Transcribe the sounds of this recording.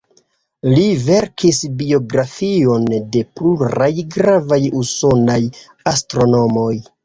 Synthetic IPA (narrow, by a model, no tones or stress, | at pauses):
live̞ɾkʰisbio̞ɡɾafio̞nde̞pluɾajɡɾavajuso̞naj | astɾo̞no̞mo̞j